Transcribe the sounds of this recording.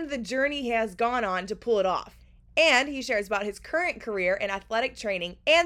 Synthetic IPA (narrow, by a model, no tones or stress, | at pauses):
nðɨd͡ʒɜ˞niɨzɡɔ̃nə̃ntɨpʰʊlˠəɾɔ̰f | ɨ̃niʃɛɹzəbaʊt̚hɨz̥kʰɜ˞ɨ̃nkʰə˞ɪɹʔɨ̃ñɨθlɛɾɨk̚tʰɹ̥ẽɪ̃ñɪ̃ŋɨ̃n